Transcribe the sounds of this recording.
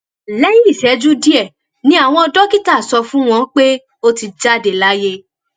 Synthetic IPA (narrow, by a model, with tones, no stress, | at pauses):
lɛ˦ji˦i˦˨ʃɛ˨˦d͡ʒu˦di˦ɛ˦˨ | nĩ˦a˦˨w̃ɔ̃˧ɔ˧dɔ˦ki˦ta˦˨sɔ˧fũ˦w̃ɔ̃˧k͡pe˦ | o˦ti˧d͡ʒa˦de˨la˦je˦